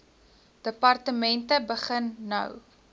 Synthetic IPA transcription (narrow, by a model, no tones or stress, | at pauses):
d̥əpɐrtəmɛntəbəχənːɐ̰w